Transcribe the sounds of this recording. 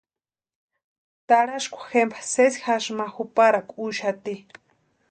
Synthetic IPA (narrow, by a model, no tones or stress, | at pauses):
t̪aɽaʃkʷʰḁxempʰḁsesixaʃmaxupaɾakʷuʃat̪i